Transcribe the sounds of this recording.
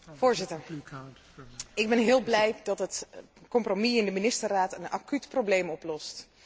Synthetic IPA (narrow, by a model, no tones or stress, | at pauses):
v̥ʊːɹzɪtəɹ | ɪɡ̚bɛnɦɪəlˠblɛjdɑtət | kɔmpromiɪndəminɪstəraːtəna̰kytprowblejmɔplɔst